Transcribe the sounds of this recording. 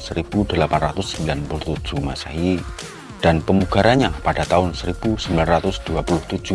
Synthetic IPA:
səɾib̥udəlapanrat̪ʊsːəmbilanpulʊt̪ud͡ʒ̥umasaɦi | d̥anpəmuɡaɾanɲapadat̪aʊnsəɾib̥usəmbilanrat̪ʊsd̥uapulʊht̪u̥d͡ʒ̥u

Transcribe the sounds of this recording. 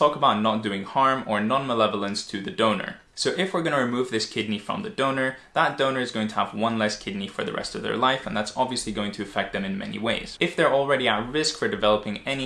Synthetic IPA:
tɔkəbaʊtⁿnət̚d̥ʉɪ̃ŋhɑɹmə˞nɑ̃nməlɛvl̩ˠə̃nstʰɨðɨdõʊ̃nə̰˞ | soʊʔɪfwɪɹɡʌnɨɹɨmʉvðɪskʰɪdⁿnifɹʌ̰̃mðɨdõʊ̃nə˞ | ðət̚d̥õʊ̃nə˞ɨzɡoʊɪ̃ŋtʰəə̰vwʌ̃nlɛskʰɪdⁿnifə̰˞ðɨ̰ɹɛ̰stʌvðə̰˞laɪfə̃nðætsɑbviɨsliɡoʊɪ̃ŋtʰɨɨfɛk̚t̪̚ðɨ̃mɨ̃nmɛ̰nḭweɪz̥ɨfðə˞l̩ˠɹɛɾiət̚ɹɪskfə˞dɨvɛlˠəpɪ̃ŋɛni

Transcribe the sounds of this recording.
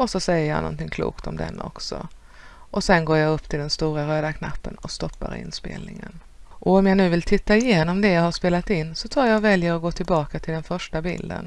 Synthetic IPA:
ʔɔsɔsɛjːəɾja̰nɔ̰nt̪ɪŋkʰlṵːkt̪ɔmd̪ɛ̰nːɔ̰ksɔ̰ | ʔɔsɛnɡoːɾjaɡɵpːt̪ʰɪld̪ɛnst̪uːɾaɾøːd̪akʰna̰pːənɔst̪ɔpːa̰ɾɪ̰nspḛːlnɪŋən | ʔɔɔmjanʉ̟ːvɪlt̪ʰɪt̪ːaɪjeːnɔmd̪ɛjaːhaʂpeːlat̪ɪnːsɔt̪ʰɾuːjavɛljəɾɔɡoːt̪ʰɪlbɑːkat̪ʰɪld̪ɛnfœʂʈabɪ̰ld̪ə̰n

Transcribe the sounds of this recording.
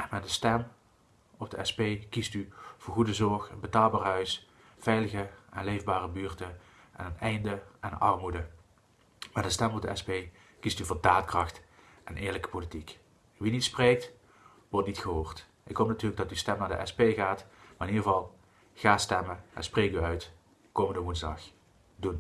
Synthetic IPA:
ʔɛnmɛt̚dəstɛm | ɔb̚dəɛspejkistyv̥ʊːɹɣudəzɔɹxənbətaːlˠbaːɹɦœɥs | v̥ɛjləɣəʔɛnlejvbaːrəbyːɹtə | ʔɛ̰nənɛjndəɛnʔɑrmudə | mɛdəstɛmɔb̚dəɛspej | kistyvoːdaːtkrɑxt | ʔɛnʔɪːɹləkə̥politik | ʋinitspreːk̚t | ʋɔɹtnitxəɦoːɹt | ʔɪkɦowp̚natyːrləɡ̚dɑtystɛmnaːɹdə̰ʔɛ̰spejɣaːtmaːrɪnidərəvɑlˠ | ɣaːstɛməʔɛ̰nsprejkyœɥt | koːməndəmunzdɑx | dun

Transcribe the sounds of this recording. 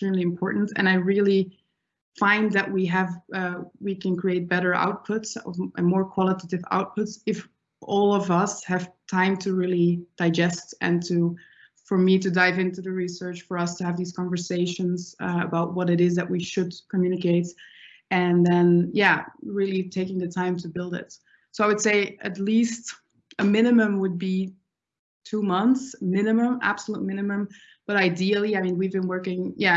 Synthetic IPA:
stɹ̥ĩmliɨ̃mpʰɔɹʔn̩tʰɨ̰̃naɪɹɪlˠi | fãɪ̃nðɨʔ̚wiɨvʌwikʰɨ̃nkʰɹ̥ieɪt̚b̥ɛɾə˞ʔa̰ʊt̚pʰʊtsʌ̰vmɔɹkʰw̥ɑlˠəɾeɾɨva̰ʊt̚pʰʊtsɨf | ɔlˠʌvʌshɨv̥tʰãɪ̃mtʰɨɹɪlˠid̥aɪd͡ʒɛstɨ̰̃ntʰɨ | fə˞miɾɨdaɪvɪ̃ntuðɨɹisɜ˞t͡ʃfə˞ʌstʰɨɨvðiz̥kʰɑ̃ɱvə˞seɪʃə̃nzʌə̰baʊt̚wʌɾɨɾɪzðɨʔ̚wiʃɨd̚kʰɨmjʉñɨkeɪt | ɨ̃nðɨ̃njæɹɪlˠitʰeɪkɪ̃ŋðɨtʰãɪ̃mtʰɨbɪlˠdɪ̰t | soʊaɪwɨd̥seɪɨtˡlist | ɨmɪ̃ñɨmɨ̃mwəd̚bi | tʰumʌ̃nθsmɪ̃nɨmə̃mæ̰b̥səlut̚mɪ̃ñɨmɨ̃m | b̥ʌɾaɪdil̩ˠiaɪmĩnwivbɨ̃nwɜ˞kɪ̃ŋjæ

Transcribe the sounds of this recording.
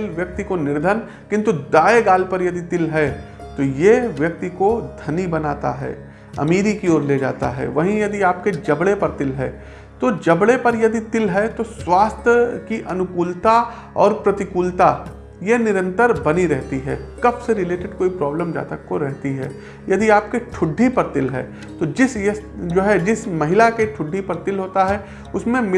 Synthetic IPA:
lʋjɐk̚t̪ikonɪɾd̪ʱən | kɪ̃nt̪ud̪aːeɡaːlpɐɾjɐd̪it̪ɪlɦɛ | t̪ojeʋjɐk̚t̪ikod̪ʱɐnibɐnaːt̪a̰ɦɛ̰ː | ɐ̰miːɾikioːɾleːd͡ʒa̰ːt̪a̰ɦɛ̰ːʋɐɦĩjɐd̪iaːp̚ked͡ʒɐbɽepɐɾt̪ɪlɦɛ̰ː | t̪od͡ʒɐbɽepɐɾjɐd̪it̪ɪlɦɛt̪oswaːst̪ʰjəkiʔɐnʊkuːlt̪a | ɔ̰ːɾpɾɐt̪ɪkuːlt̪a | jenɪɾə̃nt̪əɾbɐniɾɛɦt̪iɦɛːkɐbseɾɪleːʈɪɖkoːipɾɔːbləmd͡ʒa̰ːt̪əkkoɾɛɦt̪iɦɛ̰ː | jɐd̪iaːp̚keʈʰʊɖʱːipɐɾt̪ɪlɦɛ̰ː | t̪od͡ʒɪsjesd͡ʒoːɦɛd͡ʒɪsmɐɦɪlakeʈʰʊɖʱːipɐɾt̪ɪlɦoːt̪aɦɛ | ʊsmẽm

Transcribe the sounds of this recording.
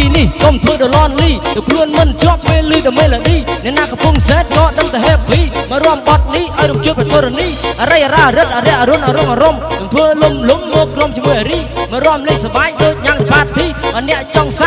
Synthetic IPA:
inihkomt̪ʰʋəːɗolɔːnliːɗokʰluənmɨnt͡ɕŏəʔpeːlːɨːɗɑmeːləɗiːnɛəʔnaːkɑmpuəŋsɛːt̪̚kɑːɗəŋt̪əɦɛːp̚ʋiːməɾoəmɓɑt̪̚niʔaɔjɾumt͡ɕuəprɑt̪oːɾəniːʔaɾəjʔaɾaːɾɨt̪̚ʔaɾɛ̆əʔaɾonʔaɾomʔaɾomɗɔmt̪ʰʋəːlomlumːoːkromt͡ɕiəmuəjʔaɾiːməɾoəmlijsaɓaːɲ̚ɗoːc̚ɲaːŋpaːt̪̚t̪ʰːiːʔnɛ̆əʔt͡ɕɑŋsa

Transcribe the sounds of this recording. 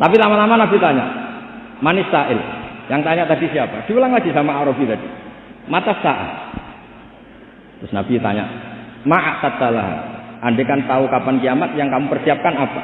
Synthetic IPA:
t̪apilamalamanabit̪aɲa̰ʔ | manɪsaʔɪljaŋt̪aɲaʔt̪adisiapa̰d̥i̤ulaŋlaɡisamaaɾobit̪adi | mat̪asaʔa̰ | t̪ɾʊsnab̥it̪a̰ɲa̰ʔmaʔaʔt̪at̪ala̰ɦa̰ʔandekant̪aukapankijamat̪̚jaŋkamupərsiap̚kanapa̰

